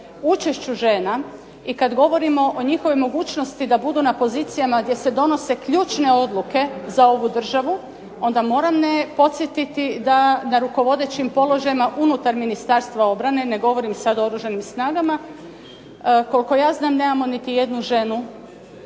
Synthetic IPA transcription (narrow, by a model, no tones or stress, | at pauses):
ut͡ʃe̞ʃt͡ɕuʒe̞ːna | ikad̪ɡo̞ʋo̞ɾimo̞ʔoɲixo̞ʋojmo̞ɡuːt͡ʃno̞st̪id̪abud̪unapo̞zit̪sijamaɡd̪je̞se̞d̪o̞no̞se̞kʎuːt͡ʃne̞o̞d̪luke̞zao̞ʋud̪r̩ʒaʋu | o̞nd̪amo̞ːɾamne̞po̞t̪sjet̪it̪id̪anaɾuko̞ʋo̞d̪e̞t͡ɕimpo̞lˠo̞ʒajimaʔunut̪aɾminist̪aɾst̪ʋao̞bɾane̞ne̞ɡo̞ʋo̞ɾimsad̪ooɾuʒanimsnaːɡama | ko̞liko̞jaːznaːmne̞ːmamo̞nit̪ije̞d̪nuʒe̞nu